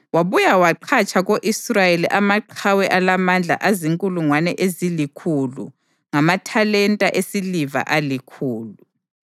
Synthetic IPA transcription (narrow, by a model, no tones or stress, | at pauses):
waβujawaǃʰat͡ʃʰʼaɣoʔisrajeliʔamaǃʰawɛʔalamand͡ɮʱa̰ʔaziŋkʼuluŋwanɛʔezilikʰulṵ | ŋamatʰalɛntʼaʔesiliva̰ʔalikʰuːlu